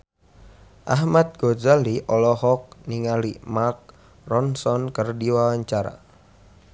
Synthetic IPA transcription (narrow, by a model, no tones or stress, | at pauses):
ʔahmat̪̚ɡ̥ozaliʔɔlɔhɔk̚niŋalimark̚ | rɔnsɔnkərdiwawaɲt͡ʃaɾa̰